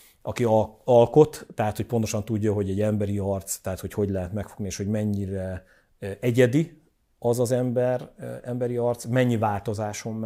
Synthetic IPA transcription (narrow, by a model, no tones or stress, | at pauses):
ʔɒkiɒlko̞t̪ːɛɦat̪ho̞c̚po̞nt̪o̞ʃɒnt̪uɟːɒɦo̞ɟɛɟːɛmbɛɾiɒrt̪st̪ɛɦaːt̪ho̞cho̞ɟlɛɦɛt̪mɛkfoɡnieːʃho̞ɟmɛɲːiɾɛ | ɛɟɛd̪i | ɒzɒzɛmbɛrɛmbɛɾiɒrt̪smɛɲːivaːlt̪o̞zaːʃo̞m